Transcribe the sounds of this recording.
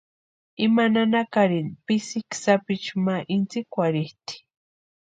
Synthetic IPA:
imananakaɾinpisiksapit͡ʃumaʔint͡sikʷaɾiht̪i̥

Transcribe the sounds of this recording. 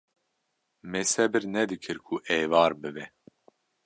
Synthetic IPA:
mɛsɛbɨɾnɛd̪ɨkʰɨɾkʰuʔɛːvaːɾbɨbɛ

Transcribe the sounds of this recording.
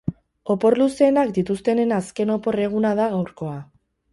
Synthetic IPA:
o̞po̞ɾluse̞ːnakd̪it̪ust̪e̞ne̞naske̞no̞po̞re̞ɣ̞unaðaɣ̞awɾko̞a

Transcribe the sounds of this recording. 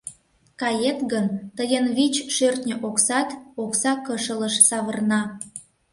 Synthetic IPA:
kɑjet̪ɣənt̪əjənβit͡ɕʃørt̪nʲəʔoksɑt̪oksɑkəʃələʃsɑβərnɑ

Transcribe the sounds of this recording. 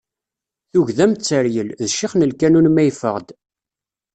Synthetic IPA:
θuʝðæmt͡sːəɾjəlðʃiχnəlkænunmæjfə̰ʁd̪

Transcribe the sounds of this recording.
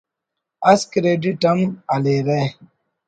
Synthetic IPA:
askiɾeditamaleɾɛ

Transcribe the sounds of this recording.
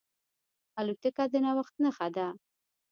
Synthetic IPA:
alut̪əkad̪ənawaxt̪̚nəxad̪a

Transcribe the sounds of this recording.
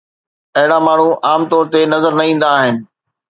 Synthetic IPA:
ɐɦɪɽamaːɳ̤ũʔaːmt̪ɔːɾt̪enɐzəɾnɐĩːn̆d̪aːɦɪnɪ̆

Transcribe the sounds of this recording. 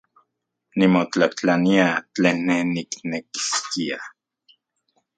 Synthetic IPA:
nimot͡ɬat͡ɬaniat͡ɬeːnːehnikneki̥skia

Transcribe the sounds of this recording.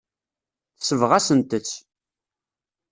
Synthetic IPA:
θsəvʁæsənt̪ət͡sː

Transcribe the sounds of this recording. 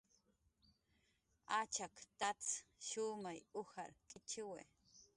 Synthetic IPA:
at͡ʃakt̪at͡sʃʊmajʊha̰ɾkʼɪt͡ʃɪwḛ

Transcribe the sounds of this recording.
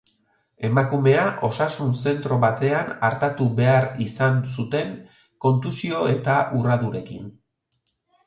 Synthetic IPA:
e̞makume̞aʔo̞sasunse̞nt̪ɾo̞βat̪e̞anaɾt̪at̪uβe̞aɾisansut̪e̞ŋ | ko̞nt̪usio̞e̞t̪aʔurað̞uɾe̞kḭn

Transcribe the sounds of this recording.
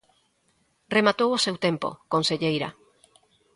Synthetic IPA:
remat̪owosewt̪empo̰konseʎejɾa̰

